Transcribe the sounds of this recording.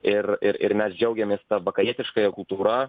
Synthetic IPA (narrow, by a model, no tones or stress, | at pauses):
ɪrɪɾɪ̰ɾmʲɛsd͡ʒʲɛʊɡʲɛmʲeːst̪ɐʋɐkɐjiɛt̪ʲɪʃkɐjɛkʊlˠt̪uːɾɐ